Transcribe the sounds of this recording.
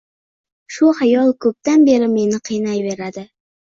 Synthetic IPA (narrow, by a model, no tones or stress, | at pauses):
ʃʊhajɒlˠkʰɵp̚t̪anbe̞ɾɪme̞nɪqʰɨjnajbe̞ɾad̪ɪ